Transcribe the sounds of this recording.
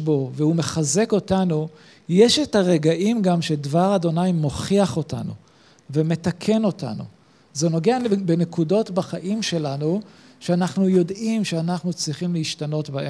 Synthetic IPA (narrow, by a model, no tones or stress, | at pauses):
bo̞vehume̞χaze̞ko̞tanu | jeʃetaʁe̞ɡaʔimɡamʃedvaʁad̪o̞najmo̞χiaχo̞ta̰nṵ | veme̞takʰe̞no̞ta̰nṵ | zeno̞ɡeabenekudo̞tbaχaʔimʃe̞lanu | ʃeanaχnujo̞dimʃeanaχnut͡sʁiχimleiʃtano̞tbaʔe